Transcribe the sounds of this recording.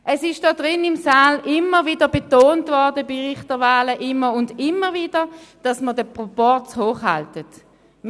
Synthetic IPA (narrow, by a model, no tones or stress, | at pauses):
ʔɛsɪʃd̥ɔːdʁɪnɪmsaːlʔɪməviːdəbetoːntvɔʁdəbiʁɪχtəvaːləʔɪməʊndɪməviːd̥əd̥ɑsmədəpʁopɔʁt͡shoːχhɑ̰ltət